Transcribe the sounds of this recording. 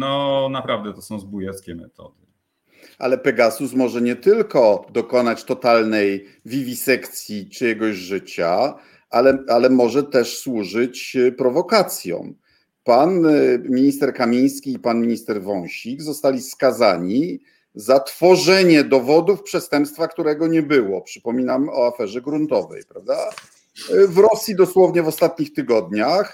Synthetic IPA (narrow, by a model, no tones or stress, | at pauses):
nɔnapɾavd̪ɛt̪ɔsɔ̃w̃zbujɛt̪skʲɛmɛt̪ʰɔ̰d̪ɨ | ʔa̰lɛpɛɡasusmɔʐɛɲɛt̪ɘlkɔd̪ɔkɔnat͡ɕt̪ɔt̪alnɛj | vʲivʲisɛkt̪sʲjit͡ʂɘjɛɡɔʑʐɘt͡ɕa | alɛalɛmɔʐɛt̪ɛʂswuʐɘt͡ɕpɾɔvɔkat̪sʲjɔ̰̃w̃ | panmʲiɲist̪ɛɾkamʲij̃skʲiːpanmʲiɲist̪ɛɾvɔw̃ɕiɡzɔst̪alʲiskazaɲi | zat̪fɔʐɛɲɛd̪ɔvɔd̪ufpʂɛst̪ɛmpst̪fakt̪uɾɛɡɔɲɛbɘwɔpʂɘ̥pɔmʲinamɔafɛʐɛɡɾunt̪ɔvɛ̰jpɾavd̪a | vɾɔsʲjid̪ɔswɔvɲɛvɔst̪at̪̚ɲixt̪ɘɡɔd̪ɲax